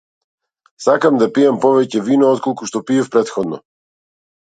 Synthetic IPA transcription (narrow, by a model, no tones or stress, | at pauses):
sakamd̪apijampɔvɛcɛvinɔɔt̪kɔlˠkuʃt̪ɔpiɛfpɾɛt̪xɔd̪nɔ̰